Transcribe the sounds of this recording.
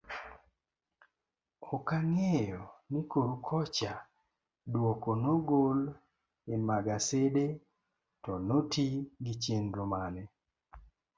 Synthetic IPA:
ɔkaŋejɔnikoɾukʰɔt͡ʃa | dwɔkonoɡol | ɪmaɡasede | tɔnotiɡit͡ʃenɾomanɛ

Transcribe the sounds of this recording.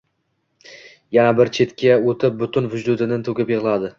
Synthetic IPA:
janabɪɾt͡ʃʰe̞t̪kʲʰaot̪ʰɪp̚bʊt̪ʰʊnvʊd͡ʒd̪ʊd̪ɪnɪnt̪ʰɵkʲɪpjɨʁlˠad̪ɪ

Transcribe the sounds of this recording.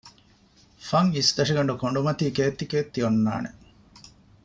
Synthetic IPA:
fɐŋisd̪ɐʂiɡɐɳɖukoɳɖumɐt̪iːkeːt̪ːikeːt̪ːijonːa̰ːnḛ

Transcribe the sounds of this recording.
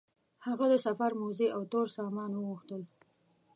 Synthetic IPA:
haɣad̪əsafaɾmozeʔawt̪oɾsɑmɑnwəɣuxt̪əl

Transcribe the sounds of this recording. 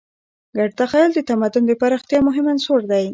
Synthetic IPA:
ɡaɖt̪axajld̪ət̪amad̪ʊnd̪əpaɾaxt̪jɑmʊɦɪmansoɾd̪aj

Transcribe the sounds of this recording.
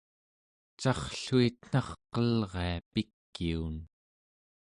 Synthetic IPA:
t͡ʃɑχɬuit̪n̥ɑχqʌlʁe̞apikːiun

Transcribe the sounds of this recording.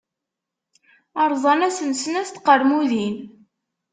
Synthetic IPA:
ɑɾˤzˤɑnæsənsənæst̪qəɾmuðin

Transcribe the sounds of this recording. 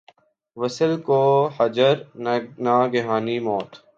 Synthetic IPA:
ʋəsəlkoːhəd͡ʒəɾnaːɡɪɦaːniːmɔːt̪

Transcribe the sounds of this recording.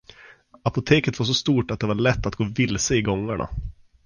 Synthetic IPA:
apʊt̪ʰeːkət̪vaʂ̬ɔst̪uːʈat̪̚d̪ɛvaɭɛt̪ːat̪̚ɡoːvɪlsəɪɡɔŋːaɳʔa̰

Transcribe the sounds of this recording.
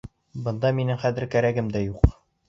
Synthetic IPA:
bɤ̆nd̪ɑminɘŋχæðɘɾkæɾæɡɘmd̪æjuq

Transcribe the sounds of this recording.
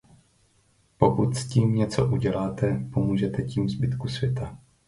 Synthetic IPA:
po̞kut̪sciːmɲɛt͡soʔuɟɛlaːt̪ɛpomuːʒɛt̪ɛciːmzbɪt̪kusvjɛt̪a

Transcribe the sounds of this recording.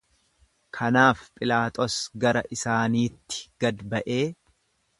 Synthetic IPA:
kʰɐnaːfpʼɪlaːt̪ʼɔsɡɐɾɐʔɪsaːniːt̪ːɪ̥ɡ̥ɐd̪bɐʔe̞ː

